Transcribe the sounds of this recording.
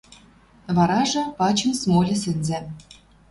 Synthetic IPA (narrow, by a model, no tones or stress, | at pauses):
βɑɾɑʒɤ̆pɑt͡ɕə̆msmolʲɘ̆sɘ̆nzĕ